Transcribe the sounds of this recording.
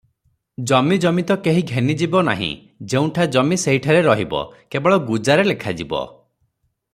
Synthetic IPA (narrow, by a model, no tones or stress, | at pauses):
d͡ʒɔmid͡ʒɔmit̪ɔkeɦiɡʱenid͡ʒibɔna̰ɦḭ̃ | d͡ʒeũʈʰad͡ʒɔmiseɦiʈʰaɾeɾɔɦibɔ̰kebɔɭɔɡud͡ʒaɾelekʰad͡ʒibɔ̰